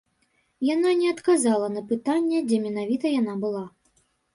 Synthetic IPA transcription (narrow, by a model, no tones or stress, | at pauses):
jananʲɛɐt̪kazalˠɐnɐpɨt̪anʲːɛd͡zʲɛmʲɛnavʲit̪ɐjanabɨlˠa